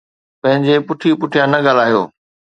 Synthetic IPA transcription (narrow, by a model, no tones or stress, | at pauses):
pɐ̃ɦɪ̃ɲd͡ʑepʊʈʰijupʊʈʰijanɐɠaːlaːjo̰ː